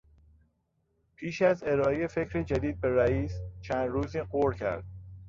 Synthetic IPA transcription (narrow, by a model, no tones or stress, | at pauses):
pʰiːʃæze̞ɾɒːejefecʰɾed͡ʒæd̪iːd̪̚be̞ɾæiːst͡ʃʰænd̪ɾuːziːɢoɾcʰæ̰ɾd̪̥̚